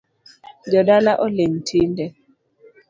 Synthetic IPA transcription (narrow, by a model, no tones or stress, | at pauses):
d͡ʒɔdalaʔɔleŋtʰindɛ